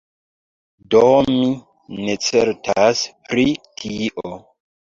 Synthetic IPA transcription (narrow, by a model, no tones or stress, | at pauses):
domi | net͡seɾtaspɾikʰiʔo